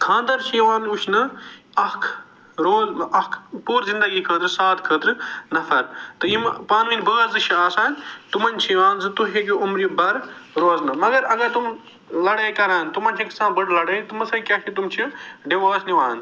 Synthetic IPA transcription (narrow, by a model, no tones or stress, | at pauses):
kʰãːnd̪ɐɾt͡ʃʰiʋaːnuʃʰnɨ | ɐkʰ | ɾoːzɐkʰpuːɾzĩnd̪ɐɡiːkʰəːt̪ɾsaːt̪kʰəːt̪ɾɨnɐfʰɐɾt̪ɨimpaːnʋinbəːzdɨt͡ʃʰiaːsaːnt̪umɐnʲt͡ʃʰiʋaːnzɨt̪uɦekiumɾibɐɾɾoːznɨmɐɡɐɾɐɡɐɾt̪um | lɐɽeːkɐɾaːnt̪umɐnt͡ʃʰiksãːnbɐɽlɐɽeːt̪ɨmɐsɐkʲaːt͡ʃʰit̪̬umt͡ʃʰiɖiʋaːsniʋaːn